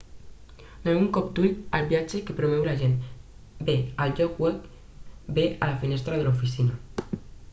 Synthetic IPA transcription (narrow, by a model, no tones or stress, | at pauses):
nauŋkɔp̚d̪uʎalbjad͡ʒekepɾomɛwlaʒen | beald͡ʒɔkwɛk | bealafinest̪ɾaðəlufisina